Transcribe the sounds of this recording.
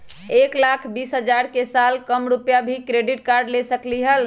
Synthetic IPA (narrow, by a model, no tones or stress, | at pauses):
eklakʰbisɦəd͡ʒaɾkesalkəmɾupjabʱikɾeɖiʈkaɾɖlesəkliɦəl